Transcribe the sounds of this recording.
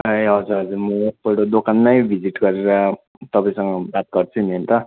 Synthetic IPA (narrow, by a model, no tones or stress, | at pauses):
eɦʌd͡zuɾʌd͡zumʌpʌɽod̪okʰanːʌjbʱid͡ziʈɡʌɾeɾʌ | t̪ʌpaĩsʌŋɡʌbat̪̚ɡʌrt͡sʰunent̪ʌ